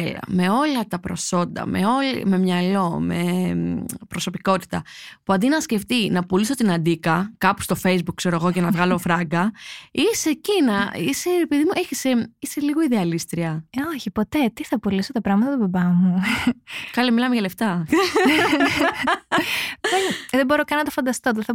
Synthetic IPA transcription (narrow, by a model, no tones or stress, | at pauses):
elɐ̰me̞o̞lɐt̪ɐpɾo̞so̞nd̪ɐ̰mḛo̞lḭme̞mɲɐlo̞me | pɾoso̞piko̞t̪i̥t̪ɐpuɐnd̪inɐsce̞ft̪inɐpuliso̞t̪inɐnd̪ikɐkɐpu̥st̪o̞fe̞jzbukse̞ɾoɣo̞cɐnɐvɣɐlo̞fɾɐɡɐise̞cinɐise̞epiðimuʔeçiseiseliɣo̞iðeɐlist̪ɾiɐoçipo̞t̪e̞t̪iθɐpulisot̪ɐpɾɐɣmɐt̪ɐt̪ubɐbɐmu | kɐlimilɐmeʝɐle̞ft̪ɐ | ðenðebo̞ɾokɐnɐt̪ofɐnd̪ɐst̪ot̪eθɐ